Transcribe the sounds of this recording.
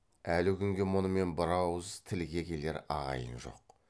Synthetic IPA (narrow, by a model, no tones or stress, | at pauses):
ælɪkʲʰʏŋɡʲe̞mʊnəme̞nbɑɾɑwəzt̪ʰɪlɡʲe̞kʲʰe̞le̞ɾɑ̰ʁɑ̰jə̰nʒo̞̰q